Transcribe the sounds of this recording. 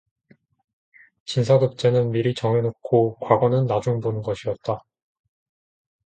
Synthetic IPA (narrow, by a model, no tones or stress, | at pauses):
t͡ɕins̬ʰaɡɯp̚t͡ɕ͈e̞nɯnmiɾit͡ɕʌŋe̞nokʰokwaɡwʌnɯnːad͡ʑuŋbonɯnɡʌɕʰiʌt̚t͈a